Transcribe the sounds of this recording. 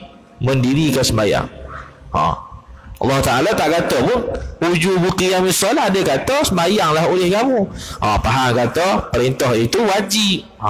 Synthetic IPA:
məndiɾikəsəmaja̰ŋ | ã̰ | ɑ̰lːɑht̪aʔalat̪aʔkat̪ɔpʊnud͡ʒubukijaŋmisɔlaadəkat̪ɔsəmajaŋlaɦolɪhkamũʔa̰paɦaŋkat̪ɔpəɾint̪ɔɦit̪uwad͡ʒip

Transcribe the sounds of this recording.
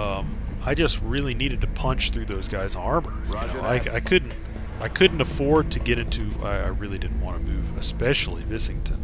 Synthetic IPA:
ʌ̃m | aɪd͡ʒʌst̚ɹɪlˠiniɾɨd̚tʰɨpʰʌ̃nt͡ʃθɹʉðoʊzɡaɪz̃n̩hɑɹbə˞joʊaɪaɪkʰʊdⁿn̩t̚ | aɪkʰʊdⁿn̩təfɔɹd̚tʰɨɡɛɾɪ̃ntʰʉa̰ɪa̰ɪɹɪlˠidɪdⁿn̩ʔ̚wɑ̰̃nɨmʉvɨspɛʃl̩ˠivɪsɪ̃ŋtʰɨ̃n

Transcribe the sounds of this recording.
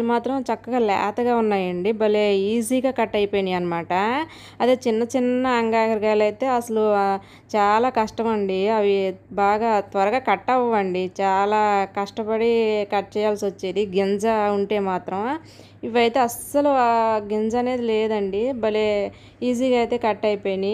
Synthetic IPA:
limaːt̪ɾɐmt͡ʃɐkːɐɡaːlɛ̰ːt̪ɐɡaːunːaːjɐɳɖibɐle̞ːiːziːɡaːkɐʈːɐjpojinɖiɐnɐmaːʈɐ | ɐd̪eːt͡ʃinːɐt͡ʃinːɐːŋɡaːɡɐɾɡaːlɐjt̪e̞ːɐsɐlu | t͡ʃaːlaːkɐʂʈɐmɐɳɖiɐʋibaːɡaːt̪ʋɐɾɐɡaːkɐʈːɐʋʋːɐɳɖit͡ʃaːlaːkɐʂʈɐpɐɽikɐʈ̚ːt͡ʃɛːjaːlsiʋɐt͡ʃːiːd̪iɡend͡ʒɐuɳʈe̞ːmaːt̪ɾɐm | iʋɐjt̪e̞ːɐsɐluɡend͡ʒɐne̞ːd̪ileːd̪ɐɳɖibɐleː | iːziːɡaːjt̪e̞ːkɐʈːɐjpoːjini

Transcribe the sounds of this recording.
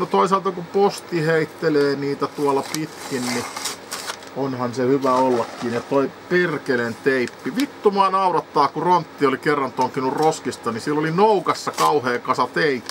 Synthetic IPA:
not̪oisɑlt̪ɑkupost̪iheit̪ːeleːniːt̪æt̪uɑlːˑɑpit̪kinni | onhɑnsehyʋæolːɑkːiːnett̪oipirkelent̪eipːiʋit̪ːumɑːnɑuɾɑt̪ːɑːkuront̪ːiolikerːɑnt̪oŋkinurroskist̪ɑnisilːolinoukɑsːɑkɑuheːkɑsɑt̪eipːi̥

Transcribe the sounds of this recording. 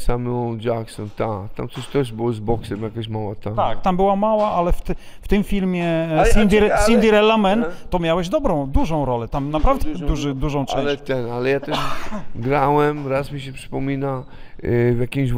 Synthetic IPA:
samɔ̃d͡ʒaksɔnt̪akt̪a̰mt̪sɔɕt̪ɛʐbɘwɔzbɔksɛmjakaɕmawat̪aak̚t̪ambɘwamawaʔalɛft̪ | ft̪ɘmfʲilmʲjɛsind̪ʲiɾsinʲiɾɛlːamɛnt̪ɔmʲjawɛʑd̪ɔbɾɔ̃w̃d̪uʐɔ̃w̃ɾɔlɛt̪amnapɾavd̪ɛd̪uʐɨd̪uʐɔ̃w̃t͡ʂɛ̃t̪ɛnalɛjat̪ɛʂɡɾawɛmɾasmʲiɕɛpʂɨ̥pɔmʲina | vjakʲimɕ

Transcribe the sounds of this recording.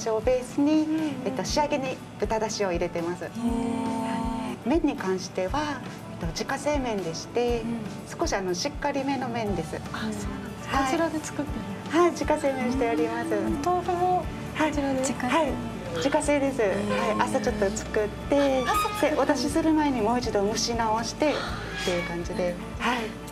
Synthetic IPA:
ɕiobe̞ːsɨɲ̟iːt̪ːo̞ɕiaɡe̞ɲ̟i | bɯ̟t̪ad̪aɕio̞iɾe̞t̪e̞masɨ | haimẽ̞ɲ̟ːikãɰ̃ɕi̥t̪e̞βa | et̪ːo̞d͡ʑikase̞ːmẽ̞nd̪e̞ɕi̥t̪e̞sɨ̥ko̞ɕiano̞ɕikːaɾʲime̞no̞mẽ̞nd̪e̞sɨ̰so | haiiɾad̪et͡sɨ̥kɯt̪ːe | haid͡ʑikase̞ːmẽɕi̥t̪e̞aɾʲimasɨt̪ooo | haihai | d͡ʑikase̞ːd̪e̞sɨhaiʔasat͡ɕo̞t̪ːo̞t͡sɨ̥kɯ̟t̪ːe̞seβat̪aɕisɨɾɯ̟mae̞ɲ̟imo̞ːit͡ɕid̪o̞mɯ̟ɕinao̞ɕi̥t̪e̞ | t̪ːe̞jɯ̟kãɲ̟d͡ʑid̪e̞ | hai

